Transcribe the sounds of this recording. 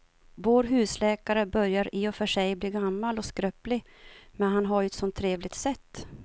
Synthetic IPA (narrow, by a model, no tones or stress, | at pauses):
voːɾɦʉ̟ːslɛːkaɾəbœɾjaɾɪɔfœʂɛjbliːɡamːalɔskɾœːplɪ | mɛnɦanɦaɾjɵɛt̪sɔnt̪ʰːɾeːvlɪɡ̚t̪sɛt̪ː